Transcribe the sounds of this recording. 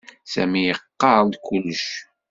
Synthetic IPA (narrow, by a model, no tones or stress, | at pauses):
sæ̰mijəqːɑld̪kulːəʃ